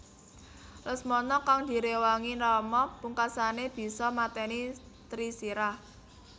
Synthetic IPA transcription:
lʊsmɔnɔkaŋd̪̥i̤ɾewaŋinɔmɔpuŋkasaneb̥i̤sɔmat̪ɛni | t̪ɾisiɾah

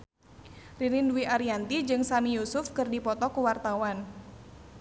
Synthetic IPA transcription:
riɾinduiʔaɾiant̪id͡ʒɨŋsamijusʊfkɨrdipɔt̪ɔkuwart̪awan

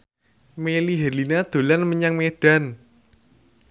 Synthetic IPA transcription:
meliɦelinad̪̥o̤lanməɲaŋmeɖ̥a̤n

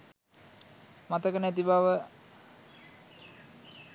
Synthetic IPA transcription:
mat̪əkənæt̪̬ibaʋə

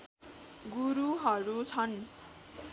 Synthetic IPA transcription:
ɡuɾuɦʌɾut͡sʰʌn

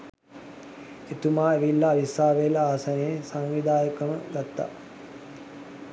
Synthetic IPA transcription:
et̪umaːeʋilːaːʋisaːʋelaaːsaneesaŋʋid̪aːjəkəməɡat̪ːa̰

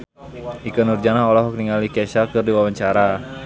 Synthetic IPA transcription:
ʔikənurd͡ʒanaɦɔlɔɦɔk̚niŋalikɛʃakɨrdiwawaɲt͡ʃaɾa

